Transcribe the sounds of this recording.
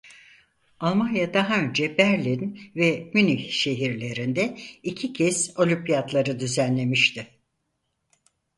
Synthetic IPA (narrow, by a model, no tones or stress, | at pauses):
alˠmanjad̪aɦaø̞nd͡ʒɛbæɾlʲinvɛmynyçʃe̞ɦiɾlʲe̞ɾind̪ɛicʰicʰɛzo̞lʲympʰijat̪lˠaɾɯd̪yzænlʲe̞miʃt̪ʰɪ